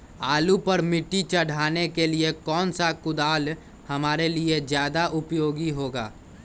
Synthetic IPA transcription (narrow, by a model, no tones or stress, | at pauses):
aːlupəɾmɪʈːit͡ʃəɽ̤ʱaːnekeliekɔːnsakʊd̪aːl | hɐmaːɾelied͡ʒjaːd̪aʔʊpjoːɡiɦoːɡaː